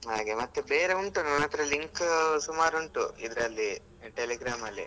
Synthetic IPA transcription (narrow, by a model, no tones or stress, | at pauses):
ɦaːɡemɐt̪ːebeːɾeuɳʈunɐnɐt̪ɐɾɐliŋksumaːɾuɳʈuid̪ɾɐlːi | ʈeliɡɾaːmɐlːḭ